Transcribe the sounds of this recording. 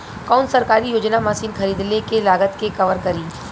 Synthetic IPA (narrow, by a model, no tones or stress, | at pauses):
kaːnsɐɾkaːɾijoːd͡ʒnamaːsiːnxɐɾiːd̪lekelaːɡət̪kekɐʋəɾkɐɾiː